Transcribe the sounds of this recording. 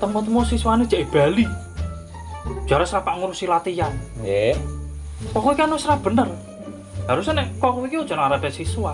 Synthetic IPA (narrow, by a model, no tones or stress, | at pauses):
t̪əmɔt̪əmɔsiswaned̥ʒ̥aʔeb̥a̤li | d̥ʒ̥aɾasɾapaʔŋuɾusilat̪ijanje | kɔkoikianosɾab̥ə̤nər | ɦaɾusnɛʔkɔkoikiud̥ʒ̥ɔ̤naŋaɾad̥asisua